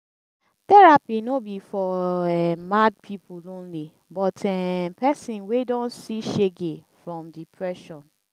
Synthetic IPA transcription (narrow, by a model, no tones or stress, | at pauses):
tɛɹapinobifɔɛmad̚pʰipulõnli | bɔtɛpɛsĩnwedɔ̃nsiʃeɡefɹɔ̃mdipʰɹɛʃɔ̃n